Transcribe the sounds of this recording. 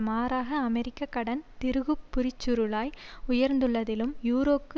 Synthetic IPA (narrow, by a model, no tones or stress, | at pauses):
maːɾaːɣɐːmɛɾɪkːɐkːɐɽɐnt̪ɪɾɯɣɯpːʊɾɪt͡ʃːʊɾɯɭaːjʊjɐɾnd̪ɯɭːɐðɪlɯmjuːɾoːpːɯ